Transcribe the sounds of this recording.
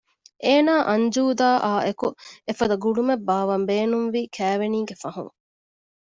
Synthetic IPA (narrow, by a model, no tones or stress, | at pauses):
ʔeːnaːʔɐɲd͡ʒuːd̪aːʔaːʔekuefɐd̪ɐɡuɖumebːaːʋɐmbeːnumʋiːkʰæːʋeniːɡefɐɦṵ̃ŋ